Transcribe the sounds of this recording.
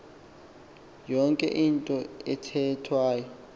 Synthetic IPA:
jɔŋkʼɛ̰ʔintʼɔɛtʰɛtʰwaːjɔ

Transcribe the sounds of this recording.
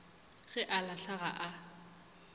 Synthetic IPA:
ɣɛʔalaɬaɣa̰ʔa

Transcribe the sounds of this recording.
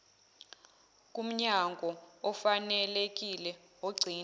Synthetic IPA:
k̬ʼum̩ɲaŋɡʱɔɔfanɛlek̬ʼilɛ | oɡ͡ǀʱiːn

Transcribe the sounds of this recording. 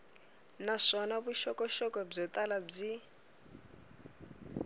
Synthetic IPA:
naʂɔnaβuʃɔkɔʃɔkɔb͡ʐɔt̪alab͡ʐi

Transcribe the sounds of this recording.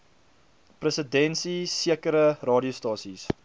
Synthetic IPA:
prəsədɛnsisiəkəɾərɑːdiəwstɑːsis

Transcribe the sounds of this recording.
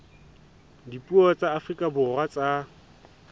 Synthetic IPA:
dipʼuɔt͡sʼaːfrikʼabʊrat͡sʼa

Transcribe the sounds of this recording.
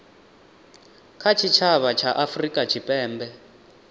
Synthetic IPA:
kʰat͡ʃʰit͡ʃʰaβat͡ʃʰaʔafrikʼat͡ʃʰipʼɛːmbɛ

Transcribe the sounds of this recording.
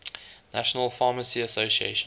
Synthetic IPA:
naʃənəlˠfɑːməsiəsoʊsiḛɪʃ

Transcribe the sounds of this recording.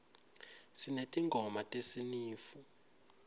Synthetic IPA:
sinetʼiŋɡʱɔmatʼesiniːfu

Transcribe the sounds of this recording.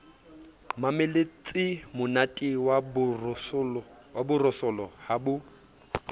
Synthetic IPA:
mamɪlet͡sʼɪmʊnatʼiwab | wabʊrɔsɔlɔhabʊ

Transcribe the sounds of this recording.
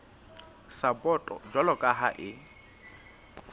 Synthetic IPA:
sabɔtʼɔ̰d͡ʒalɔkʼaɦaʔɪ

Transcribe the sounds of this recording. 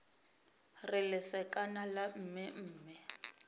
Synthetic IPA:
rɪlɪsɛkʼanalam̩mɪm̩ːmɪ

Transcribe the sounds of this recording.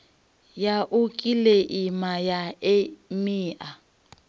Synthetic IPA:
jaʔʊkʼileʔimajaemiːʔa

